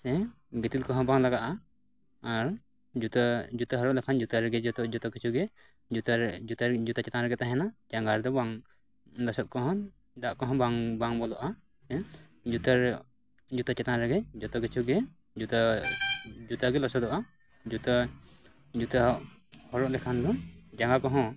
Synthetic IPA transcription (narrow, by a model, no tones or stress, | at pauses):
sɛ | ɡɛt̪ilkɔɦɔ̃baŋlaɡaʔaː | ɾ | d͡ʒut̪ad͡ʒut̪aɦɔɾɔʔlakʰand͡ʒut̪aɾɛɡɛt̪ɔd͡ʒɔt̪ɔkit͡ʃʰuɡɛ | ut̪aut̪ad͡ʒut̪at͡ʃɛt̪ãɾɛɡɛt̪aɦɛnat͡ʃaŋɡaɾd̪ɔbaŋ | lɔsɔt̪̚kɔɦɔn | d̪aʔkɔɦɔ̃baŋbaŋbɔlɔʔa | sɛ | d͡ʒut̪aɾ | d͡ʒut̪at͡ʃɛt̪aɾɛɡɛd͡ʒɔt̪ɔkit͡ʃʰuɡɛ | d͡ʒut̪a | d͡ʒut̪aɡɛlɔsɔd̪ɔʔa | d͡ʒut̪a | d͡ʒut̪aʔhɔɾɔʔlɛkʰand̪ɔd͡ʒaŋɡakɔɦɔ̃